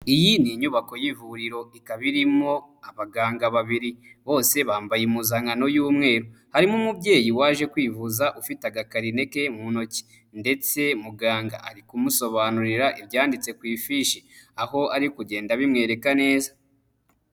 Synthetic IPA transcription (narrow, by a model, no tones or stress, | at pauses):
ijiniɲuβako̞jivuɾiɾo̞ikaβiɾimo̞aβaɡaːŋɡaβaβiɾiβo̞ːse̞βaːmbajemuzaŋɡano̞juːmŋe̞ːɾohaɾimumubɟe̞ːjiwaːʒe̞kwiːvuzaʔufitaɡakaɾine̞ke̞muno̞ci̥ | nde̞t͡se̞muɡaːŋɡa̰ʔa̰ɾikumuso̞βanuɾiɾaʔibjaːndit͡se̞kwiːfiʃeaho̞aɾikuɟe̞ːndaβimŋe̞ːɾe̞kane̞ːza